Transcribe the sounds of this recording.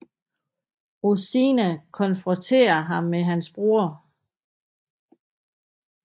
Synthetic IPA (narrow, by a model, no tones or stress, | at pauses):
ʁusinækʰɒ̽nfʁɔnt͡sʰe̝̰ːɐɦɑ̈mːeɦænsb̥ʁoɐ